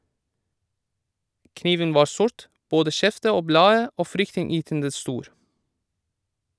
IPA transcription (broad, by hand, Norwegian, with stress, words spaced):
ˈkniːʋən ˈʋɑː ˈsʊɹt ˈboːdə ˈʃɛftə ˈoː ˈblɑːə ˈoː ˈfɾʏktɪnˌjyːtəndə ˈstuːɾ